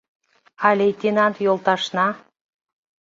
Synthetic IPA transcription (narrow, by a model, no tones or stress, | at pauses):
ɑlʲejt̪ʲinɑnt̪jolˠt̪ɑʃnɑ